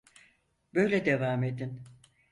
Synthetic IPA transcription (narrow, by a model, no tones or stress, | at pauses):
bøjlʲed̪evaːmed̪in